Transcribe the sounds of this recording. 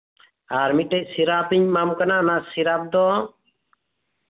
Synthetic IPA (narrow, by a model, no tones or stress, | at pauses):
aɾmiʈɛc̚siɾapiɲmamkananasiɾap̚d̪ɔ